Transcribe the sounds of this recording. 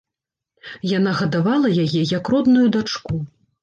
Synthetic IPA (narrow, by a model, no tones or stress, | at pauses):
janaɣɐd̪avalˠɐjajɛjɐkrɔd̪nujud̪at͡ʂku